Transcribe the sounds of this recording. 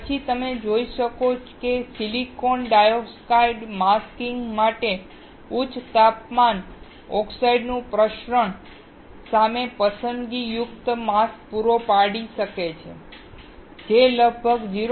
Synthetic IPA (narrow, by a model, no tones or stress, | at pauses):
pət͡ʃʰit̪əmed͡ʒoiʃəkot͡ʃʰkesilikonɖajokskaiɖmaskiŋɡmaʈe | ut͡ʃʰt̪apman | ɔksaiɖnũpɾəʃɾəɳ | samepəsənd̪ɡijʊkt̪mask̚puɾopaɽiʃəket͡ʃʰḛ | d͡ʒeləɡ̚bʱəɡd͡ʒiɾ